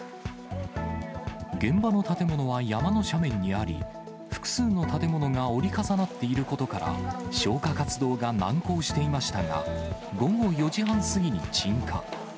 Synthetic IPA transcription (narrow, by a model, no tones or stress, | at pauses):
ɡẽ̞mbano̞t̪at̪e̞mo̞no̞β̞ajamano̞ɕamẽ̞ɲ̟ːiaɾʲḭ | ɸɯ̟̥kɯ̥sɨːno̞t̪at̪e̞mo̞no̞ŋao̞ɾʲikasanat̪ːe̞iɾɯ̟ko̞t̪o̞kaɾa̰ɕo̞ːkakat͡sɨd̪o̞ːɡanãŋko̞ːɕi̥t̪e̞imaɕi̥t̪aŋa̰ɡo̞ɡo̞jo̞ʑiɦãɰ̃sɨɡʲiɲ̟it͡ɕĩŋka̰